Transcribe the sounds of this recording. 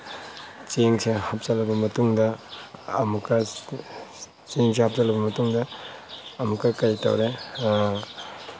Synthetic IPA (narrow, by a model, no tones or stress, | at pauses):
t͡ʃeŋsʰehɐp̚t͡ʃɐlɐbɐmɐtuŋdɐː | mukɐ | t͡ʃeŋsʰehɐp̚zɐlɐbɐmɐtuŋdɐː | mukːɐkɐjtɐ̰wɾe